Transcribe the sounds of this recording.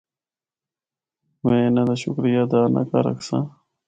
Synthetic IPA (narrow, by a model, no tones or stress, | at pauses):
mẽːnad̪aɕʊkɾijad̪aːna̰kaɾə̰ksã̰